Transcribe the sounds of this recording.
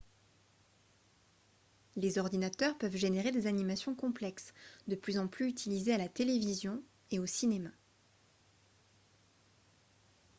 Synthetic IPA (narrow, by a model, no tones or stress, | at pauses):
lezɔʁd̪inat̪œʁpœvʒeneʁed̪ezanimasjɔ̃kɔ̃plɛksd̪əplyzɑ̃plyyt̪ʰilizealat̪elevizjɔ̃ | eosinema